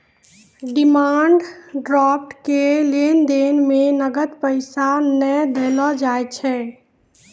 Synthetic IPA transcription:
ɖimaɳɖɖɾɔp̚ʈkelend̪enmenəɡət̪pəɪsanəjd̪elɔd͡ʒajt͡ʃʰɛ

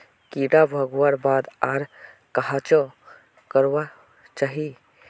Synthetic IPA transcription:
kiɽabʱəɡwaɾbad̪aɾ | kaɦat͡ʃɔ | kəɾwa | t͡ʃaɦi

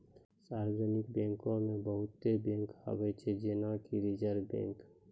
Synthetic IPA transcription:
saːɾd͡ʒənɪk̚bɛ̃ːŋkõmẽbəɦʊt̪ːebẽːŋka̰ːwet͡ʃʰed͡ʒeːnakiɾid͡ʒəɾbḛ̃ːŋk

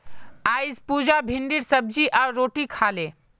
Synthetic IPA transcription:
aːjzpuːd͡ʒabʱɪɳɖiɾsəb̚d͡ʒiʔaɾoːʈikʰaːle

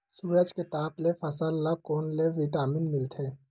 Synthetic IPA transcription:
suːɾəd͡ʒket̪aːplefʰɐsəlːakoːnleʋɪʈaːmɪnmɪlt̪ʰeː

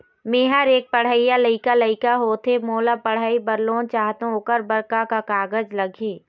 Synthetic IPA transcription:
meɦəɾeːk̚pəɽ̤əijaləɪkaləɪkaɦoːt̪ʰemoːlapəɽ̤aːibəɾloːnt͡ʃaːɦt̪õokəɾbəɾkakakaːɡəd͡ʒləɡʱiː

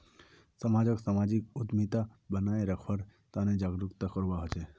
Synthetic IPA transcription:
səmad͡ʒəksamad͡ʒikʊd̪mit̪abənaeɾəkʰʋəɾt̪aned͡ʒaɡɾukt̪akəɾʋaɦət͡ʃe

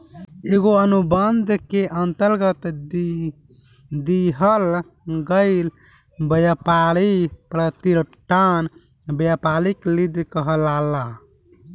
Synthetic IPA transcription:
eɡoənubənd̪ʱkeʔənt̪əɾɡət̪ | d̪iɦəl | ɡəɪl | bəjapalipɾət̪iɾʈʰan | bjapaliklid̪ʱkəɦəlala

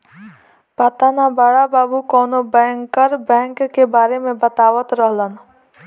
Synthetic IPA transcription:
pɐt̪anabəɽabaːbukɔːnobɛ̃ːŋkːəɾbɛ̃ːŋkːebaːɾemẽbɐt̪aːwət̪ɾəɦlən

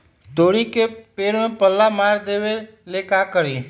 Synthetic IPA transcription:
d̪oːɽiːkeːpeːɽmẽːpəlːaːmaːɾd̪eːʋeː | leːkaːkəɾeː

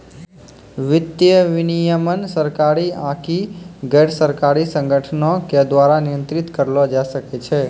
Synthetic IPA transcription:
ʋɪd̪jəʋinijəmənsəɾkaɾiãkiɡeɽsəɾkaɾisə̃ŋɡəʈʰənoked̪ʋaɾanijə̃nt̪ɾit̪kəɾlod͡ʒaʃəket͡ʃʰe

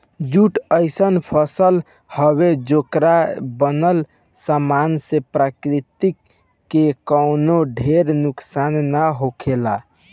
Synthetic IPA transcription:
d͡ʒuʈəɪsənpʰəsəl | həbed͡ʒokɾabənəl | samansepɾakɾit̪ikː | ekəwnoɖʱeɾnuksanːaɦokʰela

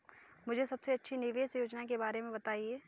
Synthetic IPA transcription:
mʊd͡ʒʱesɐbseɐtːʃʰinɪʋeːsjoːd͡ʒnakebaːɾemẽbɐt̪aːieː

